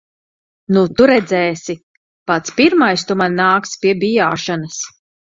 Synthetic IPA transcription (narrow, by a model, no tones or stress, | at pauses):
nut̪uɾɛd̪zɛːsi | pat̪spiɾmajst̪umanːaːkspiɛbʲijaːʃanɐs